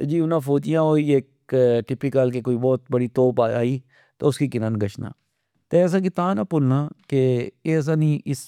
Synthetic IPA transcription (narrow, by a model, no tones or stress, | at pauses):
d͡ʒiːʊnãːfoːd͡ʒijãoːieːk | ʈɪpɪkəlkekoːibɔːt̪̚bəɽiːt̪oːpaːaːiː | t̪oːʊskikɪnənɡəʃna̰ː | t̪eəs̬ãːɡɪt̪aːnaːpʊlnaːkeeəs̬ãːnĩʔɪs